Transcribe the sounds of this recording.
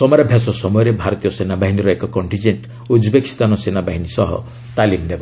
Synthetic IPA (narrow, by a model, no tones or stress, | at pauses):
sɔmɔɾabʱjasɔsɔmɔjɔɾebʱaɾɔt̪ijɔsenabaɦiniɾɔekɔkɔɳʈind͡ʒeɳʈ | ud͡ʒbeki̥st̪anɔsenabaɦinisɔɦɔ̰ | t̪alimneba